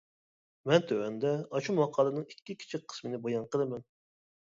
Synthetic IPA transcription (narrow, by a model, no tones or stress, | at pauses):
mɛnt̪ʰøɛnd̪ɛɑʃumwɑqʰɑːlˠɨnɨŋikʲːikʲʰi̥t͡ʃʰik̚ʲqʰə̥smɨnɪbojɑnqʰəlˠɨmɛn